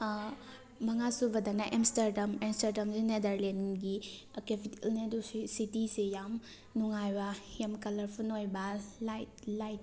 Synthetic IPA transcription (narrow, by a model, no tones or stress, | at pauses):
mɐŋasubɐdɐknaʔemstɐɾdɐmemstɐɾdɐmsenedɐɾlenɡi | kepitelnedussitisejam | nuŋajbɐjamkɐlɐɾpʰunojbɐlajt̚lajt̚